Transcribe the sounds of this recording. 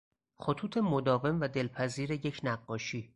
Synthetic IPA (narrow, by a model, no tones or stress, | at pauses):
xot̪ʰuːt̪ʰe̞mod̪ɒːve̞mvæd̪e̞lpʰæziːɾe̞je̞cʰnæɢːɒːʃiː